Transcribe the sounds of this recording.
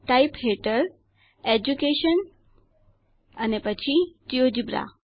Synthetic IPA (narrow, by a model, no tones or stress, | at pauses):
ʈaipɦeʈəɾ | ed͡ʒukeʃən | ənepət͡ɕʰid͡ʒiod͡ʑibɾa̰